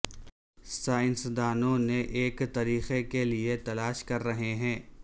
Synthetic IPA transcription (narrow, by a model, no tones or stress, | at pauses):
saːɪnsd̪aːnõneʔeːkt̪ɐɾiːxekeliet̪ɐlaːʃkɐɾːɐɦeɦɛ̃ː